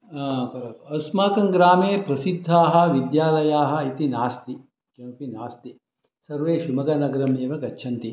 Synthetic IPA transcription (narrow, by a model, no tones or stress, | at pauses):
ɐɐɐsmaːkɐŋɡɾaːmeːpɾɐsid̪ʱːaːɦɐ̆ʋid̪jaːlɐjaːɦɐ̆it̪inaːst̪i | kɐnɐpinaːst̪i | sɐɾʋeːʃimɐɡɐnɐɡɐɾɐmeːʋɐɡɐtːʃʰɐnt̪i